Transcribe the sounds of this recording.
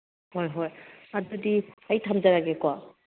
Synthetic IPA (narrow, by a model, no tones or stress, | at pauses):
hɔjɦɔjazɔdiaitʰamzaɹaɡɛkɔa